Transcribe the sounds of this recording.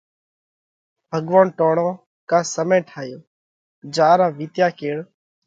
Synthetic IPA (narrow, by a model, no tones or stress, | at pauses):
b̥ʱəɠʋaːnʈoːɳõː | kãːsəmẽːʈʰaːjoː | d͡ʒaːɾãːʋiːt̪jaːkʰeːɽ